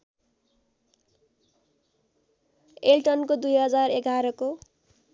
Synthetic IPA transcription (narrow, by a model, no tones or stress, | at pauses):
elʈʌnkod̪ujɦʌd͡zareɡʱaɾʌko